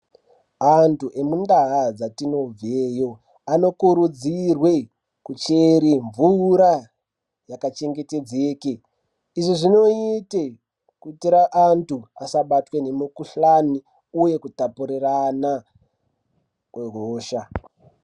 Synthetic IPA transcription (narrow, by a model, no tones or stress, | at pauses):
antuʔe̞mundaɦad͡zatino̞b͡veːjo̞ | ano̞kuɾud͡zirwe̞ | kut͡ʃeɾiɱvuɾa | jakat͡ʃe̞ŋɡete̞d͡zeːke | iʐiʐino̞ite | kutiɾaʔantuasaɓatwe̞ne̞mukuɬani | uje̞kutapuɾirana | kweɦoːʃa